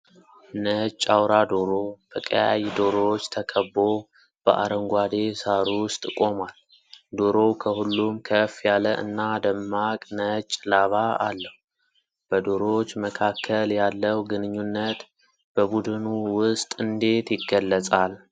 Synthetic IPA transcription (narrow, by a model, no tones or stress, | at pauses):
nət͡ʃʼːawɾad̪oɾo̞b̪ʰəkʼəjajd̪o̞ɾo̞t͡ʃːt̪ʰəkʰəbːo̞ | b̥ə̰ʔa̰ɾəŋɡʷad̪e̞saɾuwʊst̪ʼkʼo̞mal | d̪o̞ɾo̞kʰəhulːumkʰəfjaləʔɨ̰nːad̪əmːakʼnət͡ʃʼːlaβaa̰lːəhu | b̥əd̪o̞ɾo̞t͡ʃːməkʰakʰːəljalːəwɡɨnɨɲːunːət̪ | b̥əbud̪ɨnuwʊst̪ʼɨnd̪e̞t̪jɪɡːəlːət͡sʼal